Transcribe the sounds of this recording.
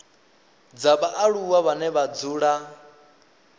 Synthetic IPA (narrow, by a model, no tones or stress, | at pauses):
d͡zaɓaʔaɺuwaβanɛβad͡zuːɺa